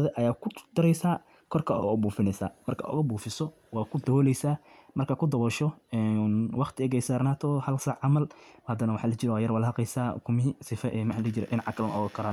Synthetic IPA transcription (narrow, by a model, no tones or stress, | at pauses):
ðɛʔɐjaːkʰʊd̪̥ɐɾɛjsaː | kʰɔrkʰɐ̰buːfɪnɛsa̰ːmɐrkʰa̰ʔʊ̰ɣɐbuːfɪsɔ | waːkʰʊd̪ɐwɔːlɛjsaː | mɐrkʰakʰʊd̪ɐβɔʃɔɛnwɑχt̪ʰɪɛɣɛjsaːrnaːt̪ʰɔhɐlsaʕɑmɐlhɐd̪ɐnɐwɑħalɐt͡ʃɪɾɛwaːjɐrwalhɐqɛjsaːkʰʊmɪɦsɪfɐʔɛmħlɐt͡ʃɪɾɛ̰ʔɪnʕɑkɐlmɐ̰ɔɣɐkʰɐɾan